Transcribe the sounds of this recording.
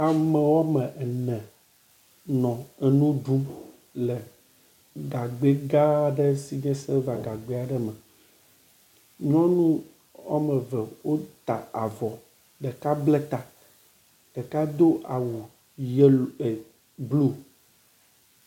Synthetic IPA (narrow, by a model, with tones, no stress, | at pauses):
a˨mə˨wɔ˦mə̃˨ʔɛ˨nɛ̃˨ | nɔ̃˨ɛ˨nũ˦ɖu˦m | lɛ˨ | ɡa˨ɡ͡be˦ɡa˦˨ɖə˦si˦d͡ʒɛ̃˦se˦va˨ɡa˨ɡ͡be˦a˨ɖə˦mɛ˨ | ɲɔ̃˦nũ˦ | wa̰˦mə˨və˨wo˦t̪a̰˨a̰˨vɔ˨ | ɖə˨ka˦ble˦t̪a˨ | ɖ̥ə˨ka˦d̪o˦ʔa˨wu˨ | je˦˨ | blu˦